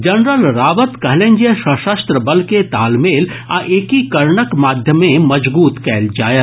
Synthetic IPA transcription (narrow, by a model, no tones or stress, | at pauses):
d͡ʒɐnɾəlɾaːʋət̪kɐɦlẽnd͡ʒesəʃəst̪ɾəbəlket̪aːlmeːl | aʔeːkikɐɾɳəkmaːd̪ʱjəmẽmɐd͡ʒbuːt̪kɛːld͡ʒaːjət̪